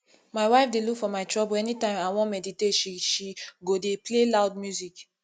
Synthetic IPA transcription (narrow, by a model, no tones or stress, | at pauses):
maɪwaɪfdelukfɔmaɪtɹɔboɛnitãɪ̃mawɔ̃nmɛditetʃiʃiɡodeplelaʊd̚mjuzik